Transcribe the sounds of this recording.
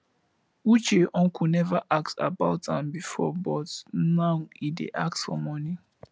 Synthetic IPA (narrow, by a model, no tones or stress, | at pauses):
ut͡ʃeʔɔ̃ŋkʰunɛvaʔak̚ta̰baʊtãmbifɔ̰bɔtnãidḛʔaksfɔ̰mɔni